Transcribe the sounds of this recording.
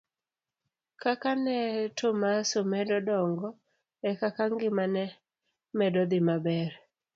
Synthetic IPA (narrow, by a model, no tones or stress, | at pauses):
kakanɛtʊmasomɛdɔdɔŋɡɔ | ɛkakaŋɡɪmanɛ | mɛdɔd̪ɪmabɛɾ